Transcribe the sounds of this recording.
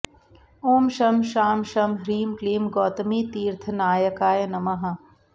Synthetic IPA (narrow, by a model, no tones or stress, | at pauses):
oːmʃɐmʃaːmʃɐmɦɾiːmkliːmɡɔːt̪ɐmiːt̪iːɾt̪ʰɐnaːjɐkaːjɐnɐmɐɦɐ̆